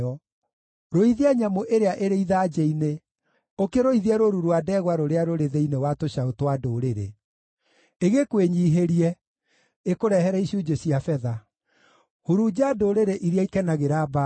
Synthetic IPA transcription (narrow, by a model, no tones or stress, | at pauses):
ɔ | ɾoiðeɛɲamoʔeɾeaʔeɾeiðaːd͡ʒeine | okeɾoiðiɛɾoɾuɾwadɛɣwaɾoɾeaɾoɾeðeinewatoɕaotwadoɾeɾḛ | eɣekweɲiːɦeɾiɛ | ekoɾɛɦɛɾaiɕud͡ʒeɕiafɛða | huɾud͡ʑadoɾeɾeʔiɾiaikɛnaɣeɾaːba